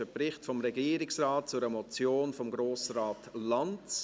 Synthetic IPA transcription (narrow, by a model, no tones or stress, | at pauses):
əprɪχtfɔmɾɛɡiːəɾɪksrɑːt̚t͡sʊɾəmɔt͡sjoːnfɔmɡɾoːsraːtlɑnt